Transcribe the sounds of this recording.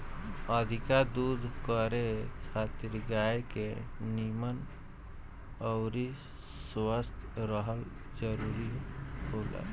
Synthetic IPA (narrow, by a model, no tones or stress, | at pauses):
əd̪ʱikad̪ud̪ʱkəɾet͡ʃʰat̪ɾiɡajkenimən | əʊɾiswəst̪ʰɾəɦəl | d͡ʒəɾuɾihola̰